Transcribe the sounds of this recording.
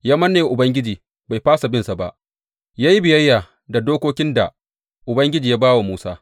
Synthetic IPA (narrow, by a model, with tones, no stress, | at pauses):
jaː˦mɐ˦nːeː˨ʔʊ˨bɐ˦ŋɡʲɪ˦d͡ʒiː˨ | ba˨jɸaː˦sa˨bɪ˦nsa˨ba̰˦ʔ | jaː˦ji˦bɪ˨jɐ˦jːaː˨ | da˨doː˦kʷoː˦kʲɪ˦nda̰˨ | ʔʊ˨bɐ˦ŋɡʲɪ˦d͡ʒiː˨jaː˦baː˦wa˨muː˦saː˦